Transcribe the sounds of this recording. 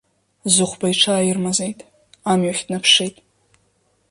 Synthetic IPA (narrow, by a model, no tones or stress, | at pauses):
zʊχʷbajʈ͡ʂʰaːirmazejtʼ | amɥaħʲdnapʰʂejtʼ